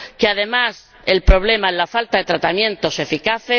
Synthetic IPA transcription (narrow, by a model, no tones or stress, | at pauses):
keað̞e̞mas | e̞lpɾo̞β̞le̞maelafalt̪aðe̞t̪ɾat̪amjẽ̞nt̪o̞se̞fikaθe